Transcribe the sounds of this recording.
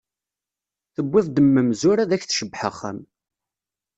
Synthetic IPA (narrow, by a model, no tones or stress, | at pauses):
θəbːæfd̪əmːəmzʊɾaðæçθʃəbːħə̰χːə̰m